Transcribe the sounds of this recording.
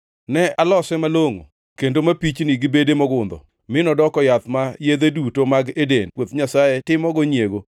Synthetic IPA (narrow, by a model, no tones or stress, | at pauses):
nɛʔalɔsɛmaloŋo̰ | kendomapit͡ʃnɪɡɪbedemɔɡʊnd̪ɔ̰ | mɪnɔdɔkɔjat̪majed̪edutomaɡedenwot̪ɲasajetɪmɔɡɔɲeɡo